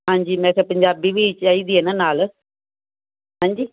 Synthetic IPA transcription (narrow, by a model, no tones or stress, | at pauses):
ɦãːɲd͡ʒiːmɛ̃ːkʰepəɲd͡ʒaːbiːʋiːt͡ʃaːiːd̪iːɛːnaːnaːl | ɦãːɲd͡ʒiː